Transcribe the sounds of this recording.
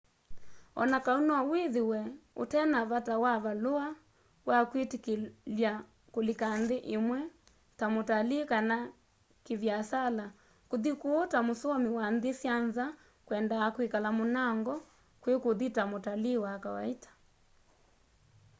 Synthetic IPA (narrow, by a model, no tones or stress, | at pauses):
ɔ̰nakaunɔaweðewɛo̰tɛnaβatawaβaloa | wakwetikelja | kolikanðeʔemwɛ | tamotalekana | keβjasala | koðikoːtamosoɔmiwanðesjanza | kwɛndaakwekalamonaŋɡɔ | kwekoðitamotalewakawaetḁ